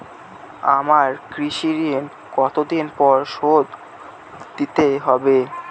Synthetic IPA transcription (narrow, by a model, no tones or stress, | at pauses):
a̰maɾkɾiʃiɾien | kɔt̪od̪inpɔɾʃod̪ | d̪it̪eɦɔbe